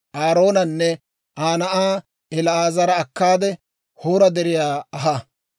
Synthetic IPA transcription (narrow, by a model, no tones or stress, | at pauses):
ʔaːɾo̞ːnɐnːɛ | ʔaːnɐʔaː | ɛlɐaːzɐɾɐːkːaːd̪ɛ | hoːɾɐd̪ɛɾɪjaːɐɦɐ